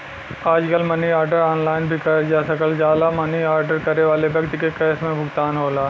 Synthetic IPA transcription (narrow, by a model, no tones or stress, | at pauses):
aːd͡ʒkɐlmɐniaːɾɖəɾɔːnlaːɪnbʱikɐɾd͡ʒaːsɐkəld͡ʒaːlamɐniaːɾɖəɾkɐɾeʋaːlebɐkt̪ɪkekɛːsmẽbʱʊɡt̪aːnɦoːlaː